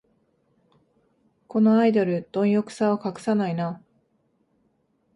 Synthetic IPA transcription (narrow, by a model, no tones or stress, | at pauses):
ko̞no̞aid̪oɾɯ̟d̪̥õ̞ɰ̃jokɯ̟̥saokakɯ̥sanaina